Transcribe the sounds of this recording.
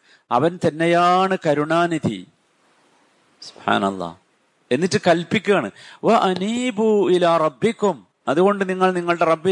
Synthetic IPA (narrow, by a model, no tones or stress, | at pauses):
ɐ̰ʋɐnt̪ɐnːejaːɳɨkɐɾuɳaːnid̪ḭ | su̥b̥ħa̰ːnɐ̰lˠːɑ̰ː | e̞nːitːɨkɐlpːikʲːuaːɳɨ̰wɐʔɐniːbuilaːrˤɑbːikːum | ɐðuɣo̞ɳɖɨniŋːɐɭniŋːɐɭɖerɐbːi